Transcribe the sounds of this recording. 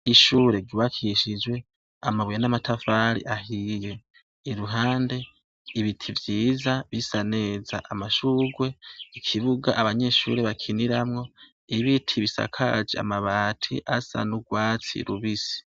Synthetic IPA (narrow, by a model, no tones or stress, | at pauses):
iʃuːɾe̞ɡiβakʰiʃid͡ʒwe̞ | amaβujanamatʰafaɾḭʔahije̞ː | ɾuɦaːnde̞ | iβitʰivjiːzaβisane̞ːzaʔamaʃuːɡwe̞ikʰiβuɡa̰ʔaβaɲe̞ʃṵːɾeβakʰiniɾamŋo̞ | iβitʰiβisa̰kʰa̰d͡ʒḛa̰maβaːtʰḭʔasa̰nuɡwaːt͡sḭɾuβisi̥